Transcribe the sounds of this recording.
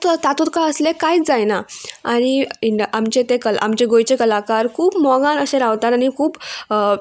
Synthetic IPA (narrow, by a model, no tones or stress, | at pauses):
t̪at̪ut̪̚kaəslekajd͡zajnaaɽ̃iiʔamt͡ɕet̪ekəla̰mt͡ɕeɡojt͡ɕekəlakaɾkʰuːpmɔɡãnəɕẽɾaʋt̪at̪añikʰuːp